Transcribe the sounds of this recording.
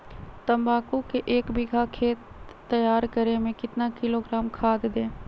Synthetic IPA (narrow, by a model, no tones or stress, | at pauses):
t̪əmbaːkukeʔeːkbɪɡʱakʰeːt̪ː | əjaːɾkəɾemẽkɪt̪nakɪloɡɾaːmkʰaːd̪d̪ẽː